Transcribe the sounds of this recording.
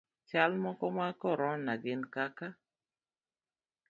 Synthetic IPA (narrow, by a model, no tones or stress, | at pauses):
t͡ʃalmɔkɔmakɔɾɔnaɡɪnkaka